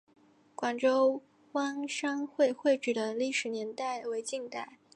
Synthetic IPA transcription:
kwa˨˩nʈ͡ʂo˥ʊ | wa˥ŋʂɑ˥ŋxwe˥˧ɪxwe˥˩ɪʈ͡ʂ̩˨˩d̪ə˦li˥˩ʂɻ̩˧˥njɛ˧˥nt̪a˥˩ɪwe˧˥ɪt͡ɕi˥˧ŋt̪a˥˩ɪ

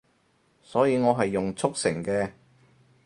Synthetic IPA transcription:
sɔː˨˥jiː˨˧ŋɔː˨˧ɦɐ˨jːʊ˨ŋt͡sʰʊ˥k̚sɪ˨˩ŋkɛː˧

